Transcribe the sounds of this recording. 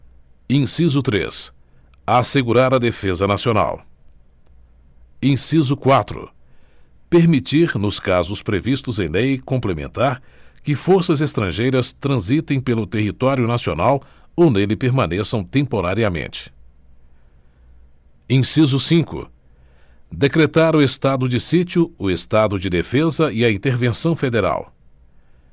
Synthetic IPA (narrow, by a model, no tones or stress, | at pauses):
ĩsizʊt̪ɾḛs | aseɡuɾaɾɐd̪efezɐnasiona̰w | ẽsizʊkwat̪ɾʊ̰ | peɾmit͡ʃiɾnʊskazʊspɾevist̪ʊzẽj̃lejkõmplemḛ̃nt̪aɾkɪfoɾsɐzest̪ɾɐ̃ʒejɾɐst̪ɾɐ̃zit̪ẽj̃pelʊt̪eɦit̪ɔɾjʊnasio̰naw | onelɪpeɾmɐ̃nesɐ̃w̃t̪ẽmpoɾaɾiɐmḛ̃nt͡ʃɪ̥ | ẽsizʊsĩkʊ̰ | d̪ekɾet̪aɾʊest̪ad̪ʊd͡ʒɪsit͡ʃiʊːest̪ad̪ʊd͡ʒɪd̪efezɐɪɐĩnt̪eɾvẽsɐ̃w̃fed̪eɾa̰w